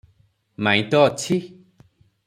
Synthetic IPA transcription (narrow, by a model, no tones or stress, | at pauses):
mãĩt̪ɔːt͡ʃʰi